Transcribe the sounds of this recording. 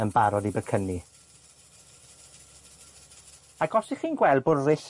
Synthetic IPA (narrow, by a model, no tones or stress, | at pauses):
ənbaɾɔdibəkʰəni | aɡɔsiχiːnɡwɛlˠdbʊrrɪɬ